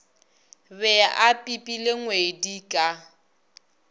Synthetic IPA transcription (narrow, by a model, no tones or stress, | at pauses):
βɛaʔapʼipʼileŋwedikʼa